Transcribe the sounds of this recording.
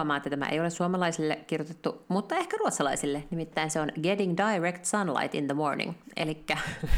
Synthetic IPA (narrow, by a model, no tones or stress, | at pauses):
mɑːet̪ːæt̪æmæ̰ʔḛjolesuɑmɑlɑisilːekkirjot̪et̪ːumut̪ːɑehkæruot̪sɑlɑisilːenimit̪ːæinseonɡediŋdɑjɹekt̪sɑnlɑ̰jt̪ḭnðəmoɹnḭ̃ŋḛlikːæ